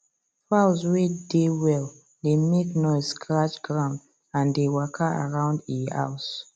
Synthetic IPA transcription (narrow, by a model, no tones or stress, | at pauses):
faʊzwedewɛl | demeknɔɪsɡɹat͡ʃɡɹãʊnd | ãndewakʰəa̰ɹãʊ̃ndia̰ʊs